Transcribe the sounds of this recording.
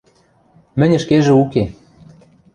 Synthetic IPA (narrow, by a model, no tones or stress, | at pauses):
mɘ̆nʲɘ̆ʃkeʒĕuke